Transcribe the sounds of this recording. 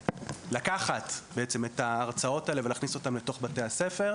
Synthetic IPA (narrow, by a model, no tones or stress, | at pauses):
lakaχatbeet͡semetaːʁt͡sao̞taele̞velaχniso̞tamle̞to̞χbate̞jhasefe̞ʁ